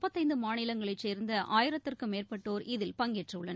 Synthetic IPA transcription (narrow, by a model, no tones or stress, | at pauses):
pːɐt̪ːɐɪnd̪ɯmaːnɪlɐŋɡɐɭɐɪt͡ʃːeːɾnd̪ɐʔaːjɪɾɐt̪ːɪrkɯmeːrpɐʈːoːɾɪðɪlpɐŋɡɛʈrɐɯɭːɐn